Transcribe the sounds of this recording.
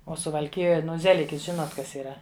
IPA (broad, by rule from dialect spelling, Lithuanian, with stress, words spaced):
oː sʊʋɐlʲˈkʲɪjoːj ˈnʊ ˈzʲæːlʲɪkʲɪs ˈʒʲɪnoːt ˈkɐs iːˈrɐ